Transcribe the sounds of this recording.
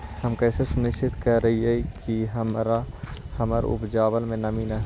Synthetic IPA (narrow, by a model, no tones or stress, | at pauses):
hɐmkɛːsesʊnɪʃt͡ʃʰɪt̪kɐɾɐɦiɛkiɦəmɾahɐməɾ̰ʊ̰pd͡ʒaːʋəlmẽnɐmiːnaɦ